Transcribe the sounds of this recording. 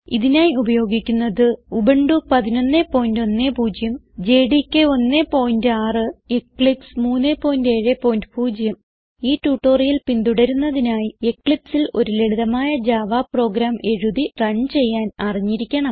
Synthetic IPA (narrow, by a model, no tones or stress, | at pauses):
iðinaːjiubɐjo̞ːɡikʲːunːɐðɨubeɳɖupɐðino̞nːepo̞ːjindo̞nːeːpuːd͡ʑjɐm | d͡ʑe̞ːɖikːeo̞nːeːpo̞ːjindɨaːrɨekːɭipsmuːnːeːpːo̞ːjinde̞ːɻepːo̞ːjindɨpʰuːd͡ʑjɐm | iːtːuːʈːo̞ːrijilpind̪uɽɐɾunːɐðinaːjiekːɭipsilo̞ɾuleɽuðɐmaːjɐd͡ʑaːʋaːpro̞ːɡɾaːmʔe̞ɻuðirɐnːt͡ɕe̞jːaːnɐriɲːiɾikʲːɐɳɐm